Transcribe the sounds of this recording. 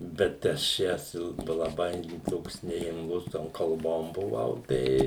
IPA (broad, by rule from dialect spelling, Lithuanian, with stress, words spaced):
bʲɛt ˈɐʃ ˈjæːs ɪlˠ lˠɐˈbɐɪ ˈtoːks nʲɛɪm lˠʊs ˈtoːm kɐlˠˈboːm bʊˈʋɐʊ ˈtɐɪ